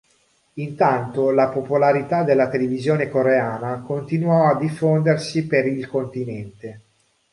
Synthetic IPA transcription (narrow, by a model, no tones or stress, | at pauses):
int̪ant̪olapopolaɾit̪ad̪elːat̪elevizjoːnekoɾeaːnakont̪inwɔad̪ifːond̪ersipeɾilkont̪inɛnt̪e